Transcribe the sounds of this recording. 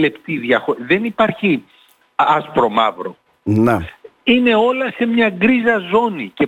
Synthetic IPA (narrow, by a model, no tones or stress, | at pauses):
le̞pt̪iðjɐxoɾiðe̞nipɐɾçi | ɐspɾo̞mɐ̰vɾo̞ | neine̞o̞lɐse̞mɲɐɡɾizɐzo̞nice̞